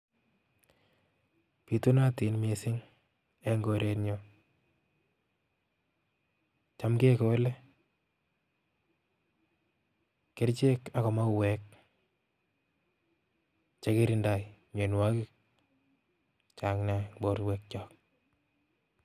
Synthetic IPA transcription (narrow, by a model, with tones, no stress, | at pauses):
pi˨tu˦na˦ti˨nme˨sɪ˦ŋ | e˦ŋɡo˦ɾe˦tɲo˦ | t͡ʃa˦mɡe˦kɔ˨˦le˦ | kɪ˦ɾt͡ʃe˦ka˦kɔ˨ma˦wɛ˨k | t͡ʃe˨˦kɪ˦ɾɪ˦nda˨jɲo˨nwa˦kɪ˦k̚ | t͡ʃa˨ŋnabo˦ɾwɛ˦k̚t͡ʃɔ˦k̚